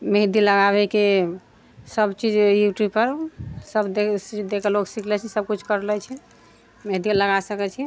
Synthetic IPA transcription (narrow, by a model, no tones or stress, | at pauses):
meɦd̪iləɡaβɛke | səbt͡ʃid͡ʒjuʈipəɾsəb̪ed̪ekɛloksikʰlɛt͡ʃʰɛsəb̚kut͡ʃʰkəɾlɛt͡ʃʰɛ | meɦd̪iləɡasəkɛt͡ʃʰɛ